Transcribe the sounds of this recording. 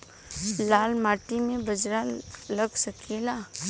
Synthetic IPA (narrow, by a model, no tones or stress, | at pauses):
laːlmaːʈimẽbɐd͡ʒɾaləɡsɐkʰelaː